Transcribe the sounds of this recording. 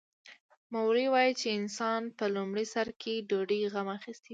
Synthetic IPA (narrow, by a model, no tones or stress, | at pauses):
mawɾiwɑjit͡ʃeɪnsɑnpəlʊmɽisaɾkʰeɖoɖəɣamaxist̪i